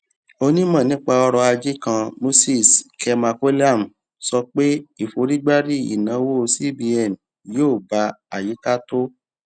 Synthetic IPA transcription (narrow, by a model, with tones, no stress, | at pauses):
o˧nĩ˦mã˦˨nĩ˨˦k͡pa˧ɔ˧ɾɔ˧a˧d͡ʒi˦kã˧mo˦si˦˨skʰɛ˧ma˧ke˦la˦˨m̩˨ | sɔ˧k͡pe˦i˦˨fo˧˦ɾi˦ɡ͡ba˦ɾi˦ḭ˨nã˨˦wo˦˧si˦bi˧ɛ˨m˨ | joː˦˨ba˧˦a˨ji˨˦ka˦to˦